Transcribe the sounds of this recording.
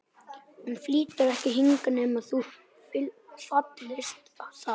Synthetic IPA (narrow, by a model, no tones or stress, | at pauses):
ɛnfliːt̪aɾɛhcɪɦiŋkanɛːmaθu | pɪlsɔt̪lɪst̪asa